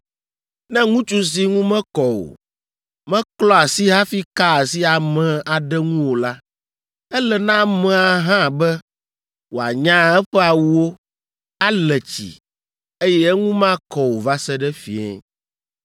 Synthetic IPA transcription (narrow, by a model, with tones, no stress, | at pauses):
nɛ̃˦ŋũ˦t͡ʃu˦s̬i˦ŋũ˦mɛ̃˦kɔ˨wo̰˨ | mɛ̃˦klɔ˦a˨si˦ɦã˦fi˦ka˦˨si˦a˨mɛ̃˨a˨ɖɛ˦ŋũ˦wo˨la˦ | ɛ˦lɛ˨nã˦mɛ̃˨a˨ɦã˦˨bɛ˦ | wo˨a̰˨ɲã˦ɛ˦ɸɛ˦a˨wu˦wo˦ | a˦lɛ˨t͡ɕḭ˨ | e˦jɛ˦ɛ˦ŋũ˦mã˦kɔ˨wo˨va˦sɛ˦ɖɛ˦fḭ˨ɛ̰˦